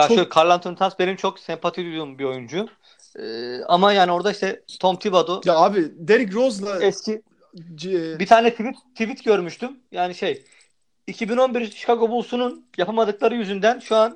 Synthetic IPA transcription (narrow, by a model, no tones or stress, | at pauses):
jaʃøkʰaɾlˠant̪ʰɯnɯt̪ansbe̞nimt͡ʃʰo̞ksɛmpʰat̪ʰid̪ujd̪umbio̞jund͡ʒʊ | ɯːamajaːnio̞ɾd̪aiʃt̪ʰɛst̪ʰo̞mt̪ʰibad̪ujaaːbid̪eɾikɾozlˠaɛsci | bit̪ʰaːnɛt̪ʰivit̪ʰːivit̪ɟø̞ɾmyʃt̪ymjaːniʃe̞j | icʰibino̞nbiɾyʃkʰaɡo̞bulˠsununjapʰamad̪ɯklˠaɾɯjyzynd̪ænʃuan